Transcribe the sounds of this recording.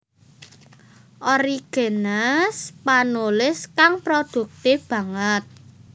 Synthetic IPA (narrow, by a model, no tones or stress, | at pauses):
ʔɔɾiɡ̥e̤naspanulɪskaŋpɾod̪̥ṳk̚t̪eb̥ä̤ŋət̪̚